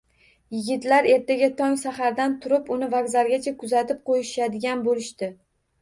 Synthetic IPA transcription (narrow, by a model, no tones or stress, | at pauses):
jɪɡʲɪt̪laɾe̞ɾt̪ʰaɡʲat̪ʰɒŋsaχaɾd̪ant̪ʰʊɾɪpʊnɪvaɡzaɾɡʲat͡ʃʰakʰʊzat̪ɪp̚qʰojɪʃad̪ɪɡʲanbolɪʃt̪ɪ